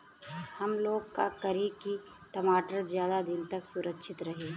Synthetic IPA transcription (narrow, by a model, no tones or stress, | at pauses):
hɐmloːɡka̰kɐɾiki | ʈɐmaːʈəɾzjaːd̪ad̪ɪnt̪ɐksʊɾʔəkʃʰɪt̪ɾɐɦeː